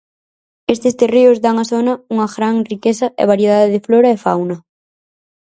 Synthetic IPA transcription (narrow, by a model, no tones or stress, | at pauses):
est̪ɪst̪ereʊzd̪aŋaθonɐuŋɐɣɾaŋrikesɐʔḛβ̞aɾjeðaðeðɪfloɾɐefa̰wnɐ